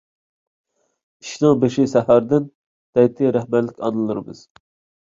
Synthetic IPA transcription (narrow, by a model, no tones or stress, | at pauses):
iʃnɨŋbeʃisɛhæɾd̪ɪn | t̪ʰɛjt̪ʰiɾɛhbæɾlɪkʲɑnɨlˠɨɾɨbɨ̰z̥